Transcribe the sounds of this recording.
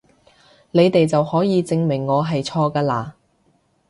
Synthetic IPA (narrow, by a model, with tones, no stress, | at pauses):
ne˨˧jt̪e˨jt͡sɐ˨whɔː˨˥jiː˨˧t͡sɪ˧ŋmɪ˨˩ŋːɔː˨˧ɦɐ˨jt͡sʰɔː˧kaː˧laː˧